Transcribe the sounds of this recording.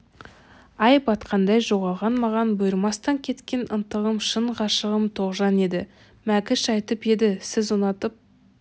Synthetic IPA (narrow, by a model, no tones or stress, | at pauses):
ɑjpɑt̪qʰɑnd̪ɑjʒo̞ʁɑlˠʁɑnmɑʁɑnbʊjɪɾmɑst̪ɑŋkʲʰe̞t̪kʲe̞nʔənt̪əʁəmʃəɴqʰɑʃəʁəmt̪ʰo̞ʁʒɑne̞d̪ɪ̰ | mækʲɪʃɑjt̪əpe̞d̪ɪsɪzonɑt̪əp̚